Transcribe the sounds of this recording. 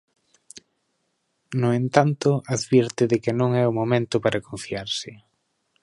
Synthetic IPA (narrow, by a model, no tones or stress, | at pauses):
noent̪ant̪ʊaðβiɾt̪ɪðɪkɪnõŋɛʊmomẽnt̪ʊpaɾʔakõɱfiaɾsɪ